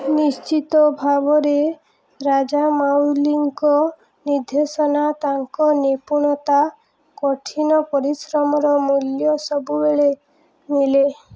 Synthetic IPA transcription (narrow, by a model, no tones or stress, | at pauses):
nist͡ʃit̪ɔbʱabɔɾe | ɾad͡ʒamawliŋkɔ | niɾd̪ʱesɔnat̪aŋkɔnepuɽ̃ɔt̪a | kɔʈʰinɔpɔɾisɾɔmɔɾɔmuljɔsɔbubeɭe | mile